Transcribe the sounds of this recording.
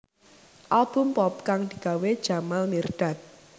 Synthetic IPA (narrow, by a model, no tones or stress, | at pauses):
ʔalb̥ʊ̤mpɔp̚kaŋd̪̥i̤ɡ̥a̤wed̥ʒ̥a̤malmirɖ̥a̤t̪̚